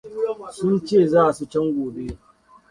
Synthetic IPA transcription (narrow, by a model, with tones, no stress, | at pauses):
sʊ˦nt͡ʃeː˦˨zaː˦ʔa˨su˦t͡ʃɛ˦ŋɡʷoː˨be˦